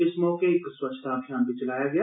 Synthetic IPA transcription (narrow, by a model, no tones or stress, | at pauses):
ɪsmɔːkeɪkswət͡ʃʰːt̪aːbʱjaːnbʱit͡ʃəlaːjaːɡɐjaː